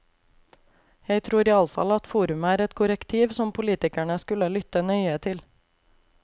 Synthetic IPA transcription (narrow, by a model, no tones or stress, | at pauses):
jæɪt̪ʰɾuːɾiːɑlfɑ̰lɑt̪fuːɾʉməæːɾɛt̪kʰʊɾəkt̪ʰiːʋsɔmpʰʊliːt̪ɪkæɳəskʉləlʏt̪ənœʏət̪ʰɪl